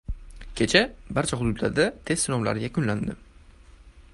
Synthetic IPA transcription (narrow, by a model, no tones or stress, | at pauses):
kʲʰe̞t͡ʃʰabaɾt͡ʃʰaɦʊd̪ʊd̪la̰ɾd̪at̪ʰe̞sɪnomla̰ɾɪjʲakʊnland̪ɪ